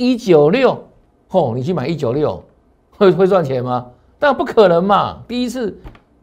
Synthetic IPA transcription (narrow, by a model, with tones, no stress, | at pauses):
i˦t͡ɕjo˨˩ʊljo˥˨˩ʊ | hɔ˥˩ni˨˩t͡ɕʰi˥˩ma˨˦i˦t͡ɕjo˨˩ljo˥˩ʊ | xwe˥˩xwe˥˧ɪswa˥˩nt͡ɕʰjɛ˨˦nma˧ | t̪a˥˧˥pu˥˩kʰə˨˩nə˧˦ŋma̰˧t̪i˥˧i˦˥t͡s̩ʰ˥˩